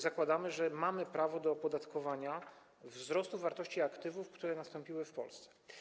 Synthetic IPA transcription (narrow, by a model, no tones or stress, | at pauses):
zakwad̪amɘʐɛmamɘpɾavɔd̪ɔpɔd̪at̪kɔvaɲa | vzɾɔst̪uvaɾt̪ɔɕt͡ɕiakt̪ɘvufkt̪uɾɛnast̪ɔmpʲiwɘfpɔ̰lst̪sɛ̥